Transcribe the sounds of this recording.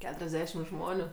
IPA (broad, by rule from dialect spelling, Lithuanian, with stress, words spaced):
ˈkʲæːtʊrʲɛzʲdʲɛʃʲɪm ˈʒmoːnʲʊ